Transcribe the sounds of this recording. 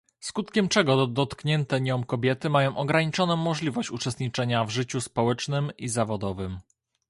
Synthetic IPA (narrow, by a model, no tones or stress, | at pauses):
skut̪kʲɛmt͡ʂɛɡɔd̪ɔt̪kɲɛnt̪ɛɲɔmkɔbʲjɛt̪ɘmajɔ̃w̃ʔɔɡɾaɲit͡ʂɔnɔ̃w̃mːɔʐlʲivɔɕt͡ɕut͡ʂɛst̪ɲit͡ʂɛɲavʐɘt͡ɕuspɔwɛt͡ʂnɘmizavɔd̪ɔvɘm